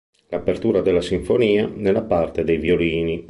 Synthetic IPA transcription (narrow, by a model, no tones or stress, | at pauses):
lapert̪uːɾad̪elːasiɱfoniːanelːapart̪ed̪ejvjoliːni